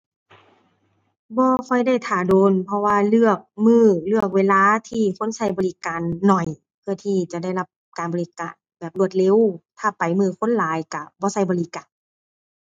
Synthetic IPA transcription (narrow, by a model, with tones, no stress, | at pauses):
bɔː˧˦kɔ˧˩jda˥˩jt̪ʰaː˨˩doː˨˧npʰɔ˧waː˧lɯ˧˩ək̚mɯː˧˩lɯ˧˩ək̚weː˧˨laː˧˨t̪ʰiː˧˩kʰo˧˥˨nsa˧˩jbɔː˧˨li˧˦kaː˨nːɔ˨˩j | pʰɯ˧˩ɐt̪ʰiː˧˩t͡ɕa˨˩da˥˩jla˧˩p̚kaː˨nbɔː˨li˧˦kaː˧˨nbɛː˨˩p̚lu˧˩ət̪̚le˧˥˨wt̪ʰaː˧˩pa˨jmɯː˧˩kʰo˧˥˨nlaː˨˦jka˧˩bɔː˧˦sa˧˩˨jbɔː˧˨li˧˦kaː˨n